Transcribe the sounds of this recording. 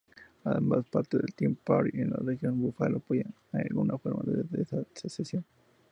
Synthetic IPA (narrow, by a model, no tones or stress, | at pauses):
aðemaspaɾt̪eðelt̪impaɾienlarexjonbufaloapojan | ajalɣunafo̞ɾmaðeesasesesjon